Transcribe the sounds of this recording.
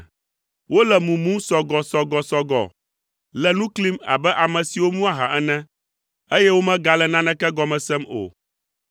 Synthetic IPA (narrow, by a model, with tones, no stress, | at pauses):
wo˦lɛ˨mũ˨mũ˦sɔ˨ɡɔ˨sɔ˨ɡɔ˨sɔ˨ɡɔ̰˨ | lɛ˨nũ˦kli˦ma̰˨bɛ˦ʔa˨mɛ̃˨si˨wo˦mũ˦a˨ɦa̰˨ʔɛ˦nɛ̃˦ | e˦jɛ˦wo˦mɛ̃˦ɡa˨lɛ˨nã˦nɛ̃˦kɛ˦ɡɔ˨mɛ̃˨sɛ˦mo̰˨